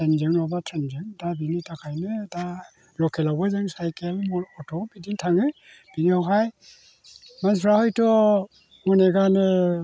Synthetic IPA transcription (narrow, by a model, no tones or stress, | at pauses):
enzɯŋnɔbatʰenzɯŋdabinitakʰajnɯta | lɔkʰelawbɯzɯŋsajkelmɔɔtʰɔbidiŋtʰaŋɯ | b̥inihɔkʰaj | mansʰɾahɔjtɔ | muneɡanɯ